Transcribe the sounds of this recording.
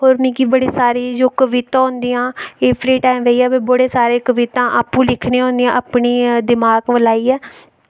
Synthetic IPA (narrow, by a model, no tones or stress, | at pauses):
ɦoːɾmĩːkibəɽeːsaːɾiːd͡ʒoːkəʋɪt̪ãːɦʊnd̪iːãːeːpʰɾiːʈaːɪmʋeiːɛːbeːbʊɽeːsaːɾeːkəʋɪt̪ãːʔaːpːũːlɪkʰneːɦõːnd̪ĩjãːʔapɳiːd̪ɪmaːɡʋəlaːiːɛː